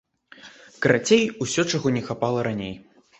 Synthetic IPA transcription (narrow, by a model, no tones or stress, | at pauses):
kɐɾat͡sʲejusʲɔt͡ʂaɣɔnʲɛxapalˠɐɾanʲej